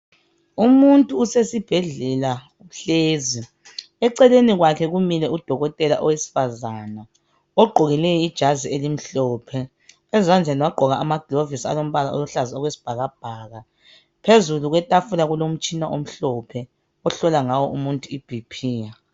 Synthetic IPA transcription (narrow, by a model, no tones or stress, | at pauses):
umuntʼuːsesib̥ʱɛɮɛla | ɬeːzi | ɛǀɛleniɣwakʰɛɣumilɛud̥ʱɔɣɔtʼɛla̰ʔɔwesi̥fazaːna | ɔɡ͡ǃʱoɣilɛjɔid̥ʒ̥ʱazielim̩ɬɔːpʰɛ | ɛzand͡ɮʱɛniwaɡ͡ǃʱɔɣaʔːmaɡ̥ʱilovisa̰lom̩βalao̰luɬazaɔɣwesi̥b̥ʱaɣab̥̚ʱaːɣa | pʰezuluɣwɛtʼafulaɣulom̩t͡ʃʼinaʔom̩ɬɔpʰɛ | ɔɬɔlaŋawɔʔumuntʼuib̥ʱipʰiːja